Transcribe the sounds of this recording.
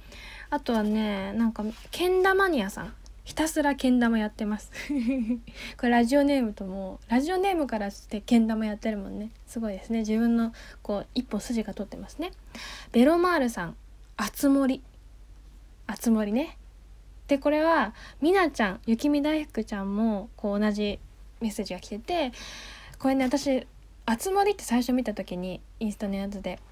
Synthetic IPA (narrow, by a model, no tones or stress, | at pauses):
at̪o̞βane̞nãŋkakʰẽ̞nd̪amaɲ̟iasã̰ŋ̃ | çi̥t̪asɨɾakẽ̞nd̪amo̞jat̪ːe̞masɨ̥ | ko̞ɾeɾaʑio̞ne̞ːmɯ̟t̪o̞moːɾaʑio̞ne̞ːmɯ̟kaɾast̪ːe̞kẽ̞nd̪amo̞jat̪ːe̞ɾɯ̟mõ̞̰nːe̞sɨɡo̞id̪e̞sɨne̞d͡ʑibɯ̟̃nːo̞ko̞ːipːo̞sɨʑiɡat̪o̞t̪ːe̞masɨne̞b̥e̞ɾo̞maːɾɯ̟sãŋ | at͡sɨmo̞ɾʲi | at͡sɨmo̞ɾʲine̞ | d̪̥e̞ko̞ɾe̞βamʲinat͡ɕãŋ̃jɯ̟kʲimʲid̪aihɯ̥kɯ̟t͡ɕãmːo̞ko̞ːnaʑi | me̞se̞ːʑiɡakʲi̥t̪e̞t̪e̞ | ko̞ɾe̞ne̞βat̪aɕi | at͡sɨmo̞ɾʲit̪ːe̞̥saiɕo̞mʲit̪at̪o̞kʲiɲ̟i | ĩɰ̃sɨ̥t̪anojat͡sɨd̪e̞